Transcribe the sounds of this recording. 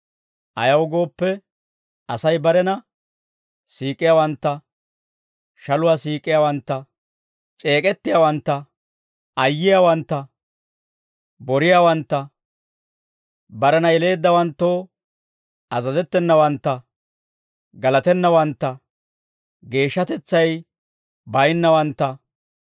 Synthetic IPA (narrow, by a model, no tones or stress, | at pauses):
ʔɐ̰jɐwɡo̞ːpːɛ | ʔɐsɐjbɐɾɛnɐ | siːkʼːɪjawɐnt̪ːɐ | ʃɐlʊwasiːkʼːɪjawɐnt̪ːɐ | t͡ʃʼe̞ːkʼɛt̪ːɪjawɐnt̪ːɐ | ɐjːɪjawɐnt̪ːɐ | bɔɾɪjawɐnt̪ːɐ | bɐɾɐnɐjɛle̞ːd̪ːɐwɐnt̪ːo̞ː | ɐzɐzɛt̪ːɛnːɐwɐnt̪ːɐ | ɡɐlɐt̪ɛnːɐwɐnt̪ːɐ | ɡe̞ːʃːɐt̪ɛt͡sːɐj | bɐjnːɐwɐnt̪ːɐ